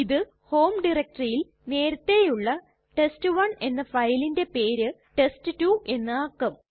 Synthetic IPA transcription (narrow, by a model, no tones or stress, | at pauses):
iðɨ | ho̞ːmɖirek̚ʈrijil | ne̞ːɾɐt̪ːe̞juɭːɐ | ʈe̞stɨʋɐɳe̞nːɐfɐjlinde̞pe̞ːɾɨ | ʈe̞stɨtuʔe̞nːɨaːkːɐm